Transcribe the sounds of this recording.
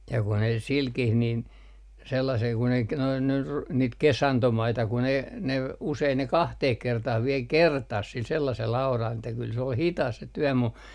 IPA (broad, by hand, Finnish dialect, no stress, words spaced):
jɑ ku ne silkih nin selːɑsel kun ei k noin nyr niːt kesɑntomɑitɑ kun ei ne usein ne kɑhteh kertɑh ʋiel kertɑs sil selːɑsel ɑurɑl etːæ kyl se ol hitɑs se tyœˑ mu